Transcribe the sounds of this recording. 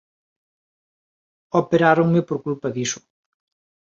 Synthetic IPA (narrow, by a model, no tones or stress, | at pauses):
opeɾaɾoŋmɪpoɾkulpaðisʊ̥